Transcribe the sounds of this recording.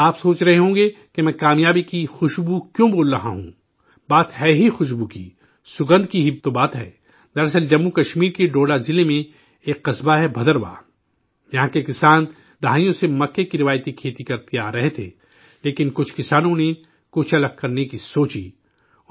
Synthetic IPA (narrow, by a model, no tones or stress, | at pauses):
aːpsoːt͡ʃɾɐɦeɦõːɡe | kemɛ̃ːkaːmjaːbikixʊʃbukjõboːlɾɐɦã̰ɦṵ̃ | baːt̪ɦɛːɦixʊʃ̬bukḭ | sʊɡə̃nd̪kiɦɪb̚t̪obaːt̪ɦɛ̰ː | d̪ɐɾɐs̬əld͡ʒɐmːukɐʃmiːɾkiɖoːɖazɪlemẽ | eːkːɐsbaɦɛbʱɐd̪əɾba̰ː | jɐɦãkekɪsaːn | d̪ɐɦaːijõsemɐkːekiɾɪʋaːjt̪ikʰeːt̪ikɐɾt̪ijaːɾɐɦet̪ʰḛː | leːkɪnkʊt͡ʃʰkɪsaːnõne | kʊt͡ʃʰɐləɡ̚kɐɾnekisoːt͡ʃi